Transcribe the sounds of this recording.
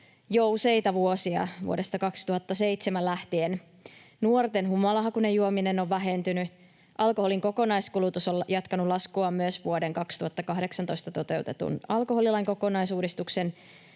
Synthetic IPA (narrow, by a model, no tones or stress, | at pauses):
jouse̞jt̪ɑʋuosiɑ̰ʋṵode̞st̪ɑkɑkst̪uhɑt̪ːɑse̞ijt̪semællæht̪ien | nuort̪e̞nɦumɑlɑɦɑkune̞juominenoʋːæɦe̞nt̪yny | ʔɑlkoho̞liŋkoko̞nɑjskulut̪usoljɑt̪kɑnulɑskuɑmmyøsʋuode̞ŋkɑkst̪uhɑt̪ːɑkɑhde̞ksɑnt̪o̞jst̪ɑt̪o̞t̪e̞ut̪et̪ṵnɑlko̞ɦo̞lilɑiŋko̞ko̞nɑjsuːdist̪ukse̞n